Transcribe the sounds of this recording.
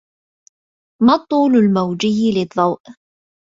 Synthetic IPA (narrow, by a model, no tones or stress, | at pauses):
mɑt̪ˤːuːlʊlmawd͡ʒɪjlɪd̪ˤːɑwʔ